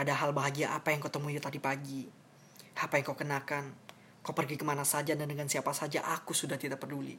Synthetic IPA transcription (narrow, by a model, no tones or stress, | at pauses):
adaɦalbaɦaɡiaʔapajaŋkawt̪əmujut̪adipaɡi | ʔapajaŋkawkənakan | kawpərɡikəmanasad͡ʒadandəŋansiapasad͡ʒa̰ʔakusudaht̪idapərdulḭ